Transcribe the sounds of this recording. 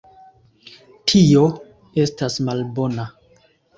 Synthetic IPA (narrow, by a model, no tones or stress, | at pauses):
tʰio̞ | e̞stasmalbo̞na